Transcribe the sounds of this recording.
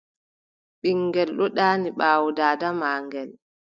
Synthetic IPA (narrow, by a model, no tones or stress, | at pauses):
ɓiŋɡɛlɗɔɗaːniɓaːwudaːdamaːŋɡɛl